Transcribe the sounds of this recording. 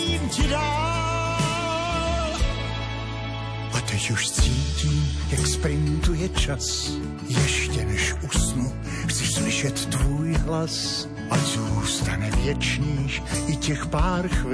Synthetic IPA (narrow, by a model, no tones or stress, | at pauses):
iːmcɪda | ʔat̪ɛcuʃt͡siːciːm | jakspɾɪnt̪ujɛt͡ʃas | jɛʃcɛnɛʃʔusnu | xt͡sɪʃslɪʃɛt̪ːvuːjɦlas | ʔazuːst̪anɛvjɛt͡ʃɲiːʃɪcɛxpaːɾx